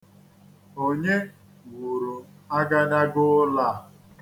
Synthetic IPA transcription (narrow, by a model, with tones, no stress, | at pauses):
o˦ɲe˦ | wu˨ɾʊ˨ | a˦ɡa˦na˦ɡʊ˦la˦˨